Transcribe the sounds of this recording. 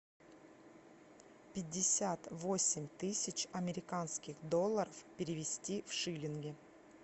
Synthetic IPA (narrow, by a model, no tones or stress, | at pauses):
pʲɪdʲːɪsʲat̪vo̞sʲɪmʲt̪ɨsʲɪt͡ɕɐmʲɪɾʲɪkanskʲɪxd̪olˠːəɾəfpʲɪɾʲɪvʲɪsʲtʲifʂɨlʲɪnɡʲɪ